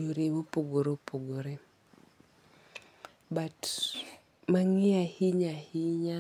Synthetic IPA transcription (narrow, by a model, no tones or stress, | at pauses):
oɾewopoɡoɾopoɡoɾe | bat | maŋɪahiɲahiɲa